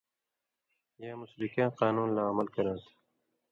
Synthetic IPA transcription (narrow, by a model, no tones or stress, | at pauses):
jaːmʊsbɪkãːqaːnuːnlaːməlkɐɾãːt̪ʰ